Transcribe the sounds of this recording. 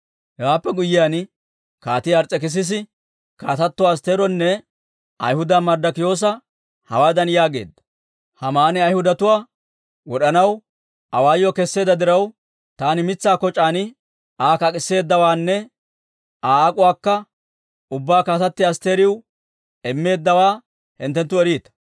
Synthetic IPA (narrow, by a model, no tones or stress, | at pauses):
hɛwaːpːɛɡʊjːɪjaːn | kaːt̪ɪɐɾt͡sʼːɛkɛs̬ɪs̬ɪ | kaːt̪ɐt̪ːɔwːs̬t̪eːɾɔnːɛ | ʔɐ̰jhʊd̪aːmɐɾd̪ɐkɪjo̞ːs̬ɐ | hɐwaːd̪ɐnjaːɡe̞̰ːd̪ːɐ̥ | hɐmaːnɛɐjhʊd̪ɐt̪ʊwaː | wɔɗɐnɐw | ʔɐwaːjːɔkɛsːeːd̪ɐd̪ɪɾɐw | t̪aːnɪmɪt͡sːaːkɔt͡ʃʼaːnɪ | aːkɐkʼɪsːe̞ːd̪ːɐwaːnːɛ | aːaːkʼʊwaːkːɐ | ʊbːaːkaːt̪ɐt̪ːɪɐst̪e̞ːɾɪw | ɛmːe̞ːd̪ːɐwaː | hɪnt̪ːɛnt̪ːʊɛɾiːt̪ːɐ